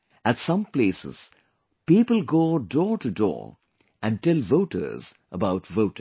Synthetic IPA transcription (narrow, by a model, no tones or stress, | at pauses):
ætsʌ̃mpleɪsɪ̰z̥ | piːpəlˠɡoːdɔtɨdɔ̰ | ʔɨ̃ntɛlvoʊtə̰˞zʔəbaʊtvoʊtɪ̃ŋ